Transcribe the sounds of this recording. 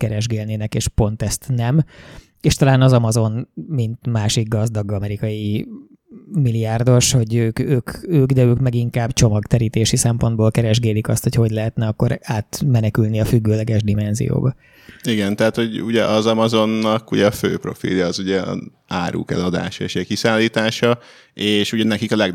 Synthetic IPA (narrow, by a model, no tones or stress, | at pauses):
kɛɾɛʒɡeːlneːnɛkeːʃpo̞nt̪ɛst̪nɛm | eːʃt̪ɒlaːnɒzɒmɒzo̞nmint̪maːʃiɡ̚ɡɒzd̪ɒɡɒmɛɾikɒji | miliaːrd̪o̞ʃho̞ɟøːkøːkøːɡd̪ɛøːkmɛɡiŋkaːbt͡ʃo̞mɒkt̪ɛɾiːt̪eːʃisɛmpo̞nd̪̚boːlkɛɾɛʒɡɛːd̪ikɒst̪ho̞cʰɒɦoɟlɛɦɛt̪nɛɒkːoɾaːt̪mɛnɛkylniɒfyɡːøːlɛɡɛʒd̪imɛnzḭjo̰ːbɒ | iɡɛnt̪ɛɦat̪ho̞ɟṵɟɛʔɒzɒmɒzo̞nːɒkuɟɛɒfø̰ːpro̞̰fḭljɒːzuɟɛ̰ | aːɾṵːkɛ̰lɒd̪a̰ːʃḛʃɛkisaːlːiːt̪aːʃɒ | eːʃuɟɛnɛkikɒlɛɡ